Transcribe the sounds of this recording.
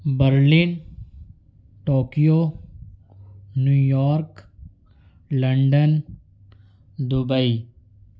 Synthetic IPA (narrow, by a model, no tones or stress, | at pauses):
bəɾliːn | ʈoːkijo | njuːjɔːɾk | lɐɳɖən | d̪ʊbəi